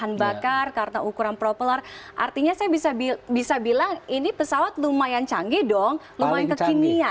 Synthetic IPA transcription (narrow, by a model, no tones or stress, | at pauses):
anbakarkaɾənaʔukuɾanpɾopəlarʔa̰rt̪iɲasajabisabibisabilaŋinipəsawat̪̚lumajant͡ʃaŋɡidɔŋ | lumajankəkinia